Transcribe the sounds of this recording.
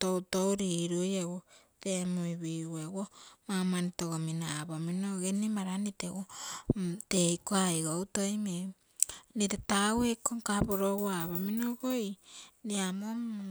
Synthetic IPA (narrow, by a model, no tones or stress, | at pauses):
towtowɾiɾujawo | temuiβiwewomamanitoɡominaːβaminoɡenimaɾanitewo | tejkoajɡowtojme | nitetawekoŋkapoɾoɡoaβaminoɡojniamo